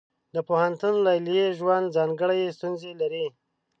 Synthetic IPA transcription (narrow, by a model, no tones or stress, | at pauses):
d̪əpohant̪unlɑjljeʒwand̪zɑŋɡəɽajest̪unzelaɾi